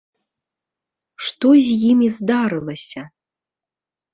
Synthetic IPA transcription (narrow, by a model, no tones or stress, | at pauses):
ʂt̪ɔzʲjimizd̪aɾɨlˠɐsʲɐ